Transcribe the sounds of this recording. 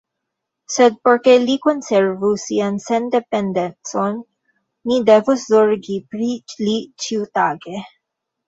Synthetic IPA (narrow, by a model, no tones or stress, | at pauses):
sed̪̚poɾkelikonseɾvusiansend̪epend̪ent͡sonː | id̪evuszoɾɡipɾilit͡ʃiwt̪aɡe